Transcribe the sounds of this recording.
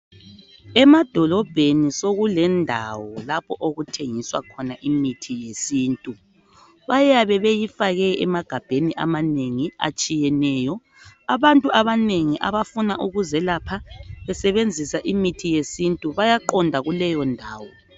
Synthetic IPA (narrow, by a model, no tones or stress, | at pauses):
ɛmad̥ʱɔlɔb̥ʱenisoɣulɛndʱa̰wɔlapʰɔʔoɣutʰeŋiswa̰kʰɔnaʔimitʰijesiːntʼu | βajaβɛβejifaɣɛɛmaɡ̥ʱab̥ʱeniʔa̰maneŋia̰t͡ʃʼijɛnɛːjɔ | aβantʼuʔaβaneŋiʔa̰βafunaʔuɣuzɛlapʰaβɛsɛβend͡zʱisaʔimitʰijesintʼuβajaǃɔndʱaɣulɛjɔndʱaːwɔ